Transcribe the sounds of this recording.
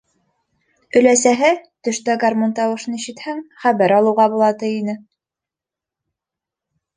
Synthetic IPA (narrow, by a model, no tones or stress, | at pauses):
ɵ̆læsæɦɘt̪ɵ̆ʃt̪æɡarmont̪ɑwɤ̆ʃɤ̆niʃɘ̆t̪hæŋχæβæɾɑlˠɤ̆wʁɑbulˠɑt̪ɤjinɘ